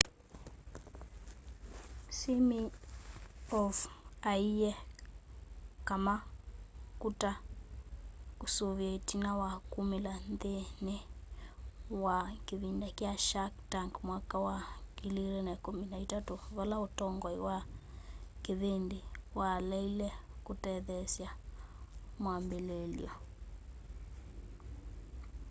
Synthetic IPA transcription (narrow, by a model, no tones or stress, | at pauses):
simi | ɔfaijɛ | kama | kuta | kusoβjatinawakumilandenɛ | wakeβindakjaʃaktaŋɡmwakawaɡiliɾenakuminaitatuβalaotɔŋɡɔiwa | keβendewalɛilɛkutɛðɛsja | mwambelɛlḭɔ